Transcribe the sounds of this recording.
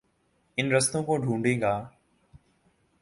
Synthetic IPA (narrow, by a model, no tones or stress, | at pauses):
ɪnɾəst̪õːkõːɖʱũːɳɖẽːɡaː